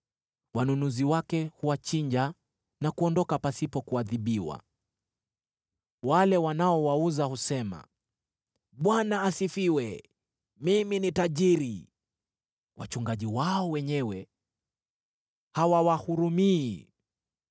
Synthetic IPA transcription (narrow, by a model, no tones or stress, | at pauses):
wanunuziwakɛhuwat͡ʃiɲd͡ʒa | nakuɔndɔkapasipɔkuaðiɓiwa̰ | walɛwanaɔwauzahusɛma̰ | ɓwanaːsifiwɛ | miminitaʄiɾi | wa̰t͡ʃuŋɡaʄiwaɔwɛɲɛwɛ | hawawahuɾumiː